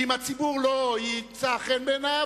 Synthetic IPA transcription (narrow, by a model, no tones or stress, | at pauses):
imat͡sibuʁlojit͡saχɛnbena